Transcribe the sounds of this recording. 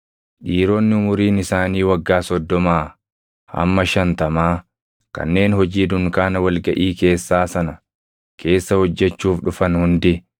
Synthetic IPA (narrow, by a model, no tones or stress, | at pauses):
ᶑiːɾoːnːɪʊmʊɾiːnɪsaːniːwɐɡːaːsɔd̪ːɔmaː | ʔɐ̰mːɐʃɐnt̪ɐmaː | kɐ̰nːe̞ːnhɔd͡ʒiːd̪ʊŋkaːnɐwɐlɡɐʔiːke̞ːsːaːsɐnɐ | kʰe̞ːsːɐhɔd͡ʒːɛt͡ʃːuːfᶑʊfɐnhʊnd̪ɪ